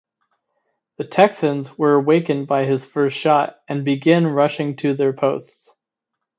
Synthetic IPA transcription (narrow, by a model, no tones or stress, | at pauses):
ðɨtʰɛksɨ̃nzwə˞əweɪkɨ̃n̚baɪɪz̥fɜ˞stʃɑɾɨ̃nbɨɡɪ̃nɹʌʃɪ̃ŋtʰɨðə˞pʰoʊsts